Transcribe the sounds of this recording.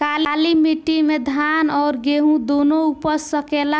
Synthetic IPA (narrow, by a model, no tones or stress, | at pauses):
kallimiʈːimed̪ʱanɔːɾɡeɦũd̪onoupəsəkela